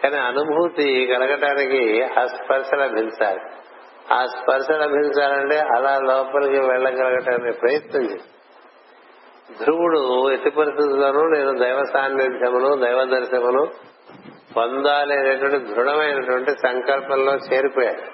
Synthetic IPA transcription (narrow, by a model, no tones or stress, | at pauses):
kaːniɐnubʱut̪iɡɐlɐɡɐʈaːnikiɐspɐɾʃɐlɐbʱiɲt͡ʃa̰ːɾi | aːspɐɾʃɐlɐbʱiɲt͡ʃaːɾɐɳʈe̞ːʔɐlaːlɔːpɐlɐkiʋɛɭːɐɡɐlɐɡɐʈaːnikipɾɐjɐt̪nɐɲt͡ʃeːs | d̪ʱɾuwuɽuet̪ipɐɾist̪it̪ulo̞ːnuːne̞ːnud̪ɐjʋɐsaːnːid̪ʱjɐmɐnud̪ɐjʋɐd̪ɐɾʃɐmɐlu | ʋɐnd̪aːleːneʈuʋɐɳʈid̪ʱɾuɽɐmɐjnɐʈuʋɐɳʈisɐŋkɐlpɐnlo̞ːt͡ʃeːɾipɔːjaːju